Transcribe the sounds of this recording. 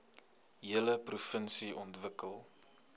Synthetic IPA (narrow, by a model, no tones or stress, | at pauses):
ɦiələprufənsiʔɔntvəkəlˠ